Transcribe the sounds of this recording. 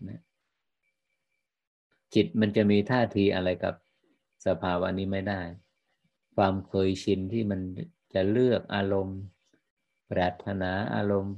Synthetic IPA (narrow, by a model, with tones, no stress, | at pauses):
na˦˥ | t͡ɕi˨˩t̪̚ma˧nt͡ɕa˨˩ʔmiː˧t̪ʰaː˥˩t̪ʰiː˧ʔa˧ɾa˧jka̰˨˩p̚ | sa˧pʰaː˧wa˧a˧nːiː˦˥ma˥˩jdaː˥˩j | kʰwaː˧mkʰɤː˧jt͡ɕʰi˧nt̪ʰiː˥˩ma˧n | t͡ɕa˨˩lɯ˥˩ək̚ʔaː˧ɾo˧m | pɾaː˨˩t̪ʰːa˧naː˩˦ʔa̰ː˧ɾo˧m